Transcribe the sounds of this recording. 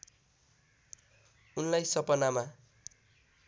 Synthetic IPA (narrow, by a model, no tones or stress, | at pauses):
unlajsʌpʌnama